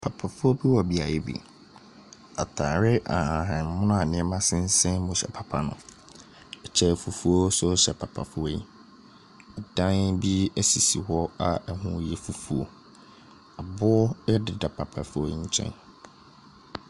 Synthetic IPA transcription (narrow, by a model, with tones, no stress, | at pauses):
pʰa˨pʰa˨fʊ˦ɔ˦bi˦wɔ˨bi˨a˨jɛ˨bḭ˨ | a˨tʰaː˨ɾɪ˦ʔa˨hã˨ɦã˨m˦mʊ̃˦nʊ̃˦a˨nɪ̃˨˦ɛ˦mã˦sɪ̃˦n̩˦sɛ̃˦mʊ̃˨ɕɛ̰˨pʰa˨pʰa˨nʊ̃˨ | ɛ˨t͡ɕʰɛ˨fu˨fu˦o˦sʊ˦ɕɛ˨pʰa˨pʰa˨fʊ˦ɔ˦i˦ | ɛ˨dã˦nbi˦ɛ˦si˨si˨wɔ˦a˦ɛ˨hʊ̃˦jɛ˦fu˨fu˦o̰˦ | a˨bʊ˦ɔ˦dɪ˨da˨pʰa˨pʰa˨fʊ˦ɔ̰˦ɲ̩˦t͡ɕʰɛ̰̃˦n